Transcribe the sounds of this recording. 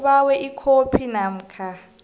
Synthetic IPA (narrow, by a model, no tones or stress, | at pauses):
ɓawɛʔikʰopʰinam̩ːkʰa